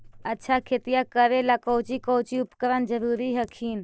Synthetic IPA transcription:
ətːʃʰakʰeːt̪ijakəɾelakowt͡ʃikoːt͡ʃiʊpkəɾənd͡ʒəɾuːɾiɦəkʰiːn

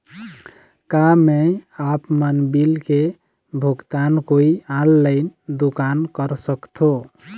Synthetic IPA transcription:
kameapmənbilke | bʱuɡt̪ankoiãlːəɪnd̪ukankəɾsəkt̪ʰo

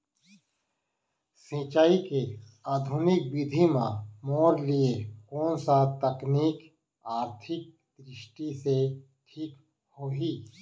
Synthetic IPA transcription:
sĩːt͡ʃaːike | aːd̪ʱʊnɪk̚bɪd̪ʱimãmɔːɾliekɔːnsat̪əkniːk | aːɾt̪ʰɪk̚ | d̪ɾɪʃʈise | ʈʰiːk | hoːɦiː

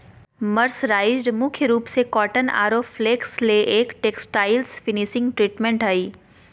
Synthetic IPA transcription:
mɐɾsɾaːɪzɖmʊkʰjəɾuːpsekɔːʈəna̰ːɾoːfleːksleʔeːkʈeːksʈaːɪlsfɪnɪʃɪ̃ŋɡʈɾiːʈmẽɳʈɦaːiː

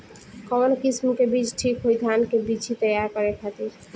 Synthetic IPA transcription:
kɔnkismkebit͡ʃʰʈʰikɦojd̪ʱankebit͡ʃʰit̪əjaɾkɔɾekʰat̪iɾ

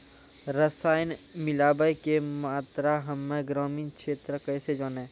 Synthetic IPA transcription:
ɾəsaːjnmɪlaːbəjkemaːt̪ɾaɦəmːẽɡɾɔːmĩːnkʃeːt̪ɾəkəːsed͡ʒaːnẽː

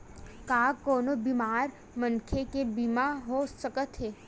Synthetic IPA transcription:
kaːkoːnobiːmaːɾ | mənkʰekebiːmaɦosəkət̪ɦɛː

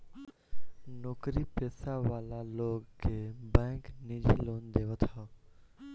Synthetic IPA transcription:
noːkɾipeːsaʋaːlaloːɡkebɛ̃ːknid͡ʒḭloːnd̪eːʋət̪ʰɔ

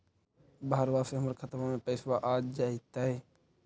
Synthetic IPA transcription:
baɦəɾʋaseɦəməɾkʰət̪mamẽpɛːswaʔaːd͡ʒd͡ʒaːɪt̪ːaɦɛː

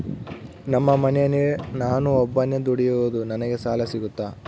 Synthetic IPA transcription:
nɐmːɐmɐnɛjɐninaːnuɔbːɐnːed̪uɽijuʋud̪unɐnɐɡe̞saːlɐsiɡut̪ːaː

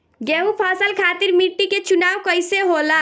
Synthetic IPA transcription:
ɡeupʰasəlkʰaːt̪iɾmiʈːiket͡ʃʊnaːʋkəɪseɦola

